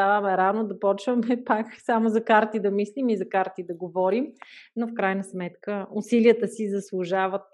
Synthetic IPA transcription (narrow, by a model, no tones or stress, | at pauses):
t̪avəmɛɾanod̪ɐpɔt͡ʃvəmɛpaksamozɐkaɾt̪id̪ɐmislimizɐkaɾt̪id̪ɐɡovɔɾimnofkɾajnəsmɛt̪kəʊsiliət̪əsizɐslˠʊʒavət̪̚